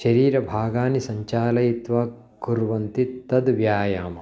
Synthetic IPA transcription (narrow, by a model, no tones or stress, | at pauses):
ʃɐɾiːɾɐbʱaːɡaːnisɐɲt͡ʃaːlɐjit̪ʋaː | kuɾʋɐnt̪it̪ːɐd̪ʋjaːjaːmɐ